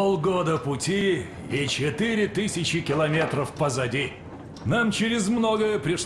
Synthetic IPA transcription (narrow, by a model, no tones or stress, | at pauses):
olˠɡod̪əpʊtʲi | it͡ɕɪt̪ɨɾʲɪt̪ɨsʲɪt͡ɕɪkʲɪlˠɐmʲet̪ɾəfpəzɐdʲi | namt͡ɕɪɾʲɪzmnoɡəjəpɾʲɪʂ